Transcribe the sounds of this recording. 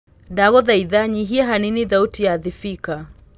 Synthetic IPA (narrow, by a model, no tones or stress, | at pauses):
daɣɔðaiðaɲiɦiaɦaniniðautijaðifika